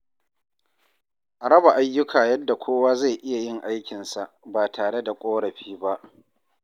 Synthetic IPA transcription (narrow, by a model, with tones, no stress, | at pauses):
ʔa˨ɾɐ˦ba˨ʔa˦jːʊ˦kʰaː˨jɐ˦dːa˨kʷʰoː˦waː˦za˦˨jʔɪ˦ja˨jɪ˦ŋʔa˦jkʲɪ˨nsa˨ʔbaː˨tʰaː˨ɽe˦da˨kʷʼoː˦ɽɐ˨ɸiː˦ba˦ʔ